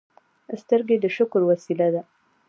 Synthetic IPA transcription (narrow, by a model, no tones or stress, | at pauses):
st̪əɾɡed̪əʃʊkɾwasilad̪a